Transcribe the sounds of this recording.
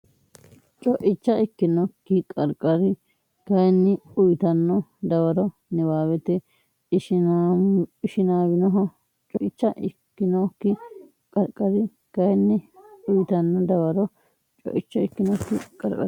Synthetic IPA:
t͡ʃʼɔʔɪt͡ʃːɐɪkːɪnɔkːɪkʼɐɾkʼɐɾɪ | ɡ̥ɐjnːɪʊjt̪ɐnːɔd̪ɐwɐɾɔ | nɛwaːwɛt̪ɛ | ɪʃn | ɪʃɪnaːwɪnɔɦɔ | t͡ʃʼɔʔɪt͡ʃːɐʔɪkːɪnɔkːɪ | kʼɐɾkʼɐɾɪ | ɡ̥ɐjnːɪʊjt̪ɐnːɔd̪ɐwɐɾɔ | t͡ʃʼɔ̰ʔɪt͡ʃːɐɪkːɪnɔkːɪkʼɐɾkʼɐ̰

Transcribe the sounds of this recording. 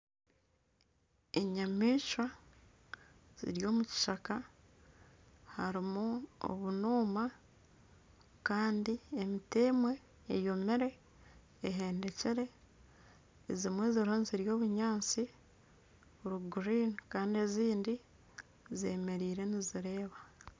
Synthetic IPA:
eɲamiːʃwa | z̥ḭɾjo̞ːmuci̥ʃaka | haɾimuo̰βunuːma | kaːndiemiteːmwe̞ː | jo̞meɾe̞ː | ɦe̞ːnde̞ciɾe̞ | zimweːziɾoːnziɾjo̞ːβuɲaːt͡si | βuɾuɡuɾiːnkaːndie̞ziːndi | zeːme̞ɾiːɾe̞niziɾe̞ːβa

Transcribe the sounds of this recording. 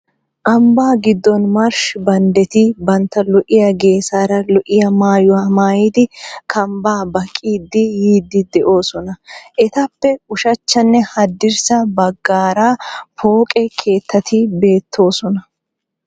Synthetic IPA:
ʔɐmbaːɡɪd̪ːɔnmɐɾʃbɐnd̪ɛt̪ɪbɐnt̪ːɐlɔʔɪjɐɡe̞ːsaːɾɐlɔʔɪjɐmaːjʊwaːmaːjid̪ɪkʰɐmbaːbɐkʼːiːd̪ːɪjiːd̪ːɪd̪ɛʔo̞ːsɔnɐʔɛt̪ɐpːɛʊʃɐt͡ʃːɐnːɛhɐd̪ːɪɾsɐbɐɡːaːɾaːpo̞ːkʼɛkʰe̞ːt̪ːɐt̪ʰɪbe̞ːt̪ʰːo̞ːsɔnɐ

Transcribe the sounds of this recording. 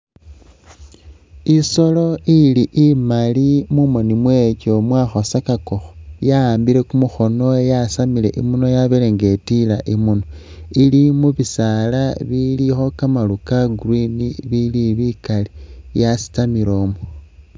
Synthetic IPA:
iso̞lo̞iliʔimalimumo̞nimwe̞co̞mwaxo̞sakakoxo̥jaːmbile̞kumuxo̞no̞ejasamile̞̰ʔimunojaβeleŋɡe̞tilaʔimuno | ilimuβisalaβilixo̞kamalukaɡriniβiliβikalijasi̥tamiɾo̞ːmo

